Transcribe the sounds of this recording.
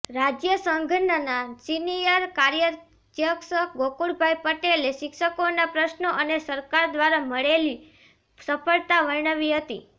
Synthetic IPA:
ɾad͡ʒjəsəŋɡʱənənasinijəɾkaɾjə | d͡ʒjəksəkɡokuɽbʱajpəʈeleʃɪkʃəkonapɾəʃnoʔənesəɾkaɾd̪ʋaɾaməɭeli | səpʰəɭt̪aʋəɳəʋiɦət̪ḭ

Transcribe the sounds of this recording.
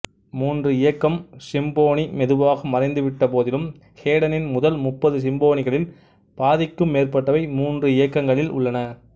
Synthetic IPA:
muːndrɯɪjɐkːɐmsɪmboːɳimɛðɯʋaːɣɐmɐrɐɪnd̪ɯʋɪʈːɐpoːðɪlɯm | heːɽɐnɪnmʊðɐlmʊpːɐðɯs̬ɪmboːɳɪɣɐɭɪl | paːðɪkːɯmːeːrpɐʈːɐʋɐɪmuːndrɯɪjɐkːɐŋɡɐɭɪlʊ̰ɭːɐnɐ

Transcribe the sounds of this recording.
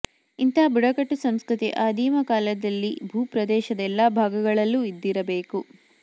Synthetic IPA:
int̪ɐɦɐbuɽɐkɐʈːusɐmskɾut̪ḭʔaːd̪iːmɐkaːlɐd̪ɐlːḭbʱuːpɾɐd̪ɛːʃɐd̪ɛlːaːbʱaːɡɐɡɐɭɐlːuid̪ːiɾɐbeːku

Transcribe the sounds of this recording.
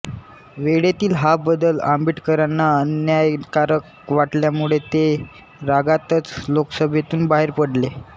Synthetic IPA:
ʋeɽet̪iːlɦabəd̪əlambiʈkəɾanːaənjajkaɾək | ʋaʈljamuɭet̪e | ɾaɡat̪ət͡sloksəbʱet̪uːnbaɦeɾpəɽle

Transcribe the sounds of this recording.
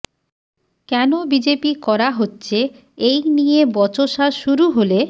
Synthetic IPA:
kɛnobid͡ʑepikɔɾaɦotːɕʰe | ejnijebɔt͡ɕoʃaʃuɾuɦole

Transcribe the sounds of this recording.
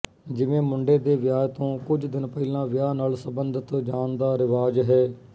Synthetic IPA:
d͡ʒɪʋẽːmʊɳɖeːd̪eːʋɪjaːt̪õːkʊd͡ʒd̪ɪnpɛilãːʋɪjaːnaːlsəbənd̪ʱət̪d͡ʒaːnd̪aːɾɪʋaːd͡ʒɦɛː

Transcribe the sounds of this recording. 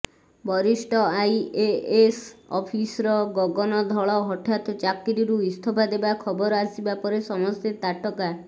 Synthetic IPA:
bɔɾisʈʰɔajeesɔpʰisɔɾɔɡɔɡɔnɔd̪ʱɔɭɔɦɔʈʰat̪ɔt͡ʃakːiɾiɾuist̪ʰɔpʰad̪ebakʰɔbɔɾasibapɔɾesɔmɔst̪et̪aʈɔka

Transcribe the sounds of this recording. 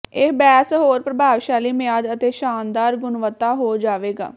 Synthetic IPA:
ɪbɛːsɦoːɾpɾəbʱaːʋʃaːliːmɪjaːd̪ət̪eːʃaːnd̪aːɾɡʊnʋət̪ːaːɦoːd͡ʒaːʋeːɡa̰ː

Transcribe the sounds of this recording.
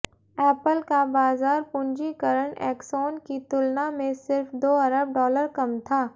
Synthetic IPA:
ɛːpəlkabaːzaːɾpʊ̃ɲd͡ʒikɐɾəɽ̃ɛ̰ːksɔːnkit̪ʊlnamẽsɪɾfd̪oːɐɾəb̚ɖɔːləɾkɐmt̪ʰaː

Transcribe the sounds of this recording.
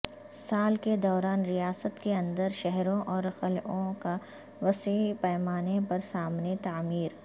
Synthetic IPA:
saːlked̪ɔːɾaːnɾijaːsət̪keɐ̃nd̪əɾʃɛɦɾõʔɔːɾxɐlʔõka | ʋɐsiipɛːmaːnepɐɾsaːmnet̪aːmiːɾ

